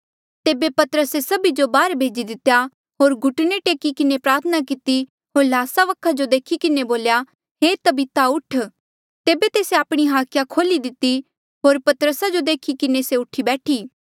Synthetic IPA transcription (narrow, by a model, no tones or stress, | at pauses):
t̪eːbepɐt̪əɾəsesɐbid͡ʒobaːɾbʱeːd͡ʒid̪ɪt̪ja | ɦoːɾɡʊʈneʈeːkikɪnepɾaːɾt̪ʰənak̬ɪt̪i | ɦoːɾlaːsaʋɐkʰːad͡ʒod̪eːkʰikɪneboːlja | ɦeːt̪ɐbit̪aʊʈʰ | t̪eːbet̪eːseaːpɽ̃iɦaːkʰjakʰoːlid̪ɪt̪ːi | ɦoːɾpɐt̪əɾəsad͡ʒod̪eːkʰikɪneseʊʈʰibɛːʈʰiː